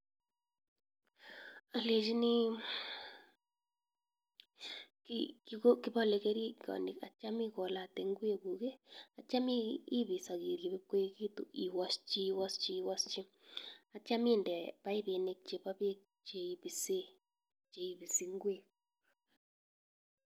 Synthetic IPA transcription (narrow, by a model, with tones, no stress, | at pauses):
a˨le˨d͡ʒi˦ni˦ | kikiɣo˦ki˦βɔ˦le˨ɣe˦ɾi˦kɔ̰˨ni˨ka˨t͡ʃa˦mi˦ɣɔ˨la˨t̪e˨ŋɡwe˦ɣu˨ɣe˦a˨t͡ʃa˦miː˦βi˨sa˨ɣi˨ɾɣi˨βe˦ke˦ɣi˦t̪ṵ˨ʔi˨wa˦st͡ʃi˦wa˦st͡ʃi˦wa˦st͡ʃi˦ | a˨t͡ʃa˦mi˦˨ndɛ˨βa˦i˦βe˨ne˦k̚t͡ʃe˨βa˦βe˦k̚ | t͡ʃe˨i˨βi˨se˦ | t͡ʃe˨i˨βi˨si˦ŋɡwe˦˨